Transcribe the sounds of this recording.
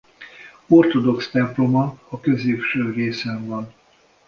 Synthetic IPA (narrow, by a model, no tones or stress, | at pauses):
o̞rt̪o̞d̪o̞kst̪ɛmplo̞mɒːkø̞zeːpʃøːreːsɛɱvɒn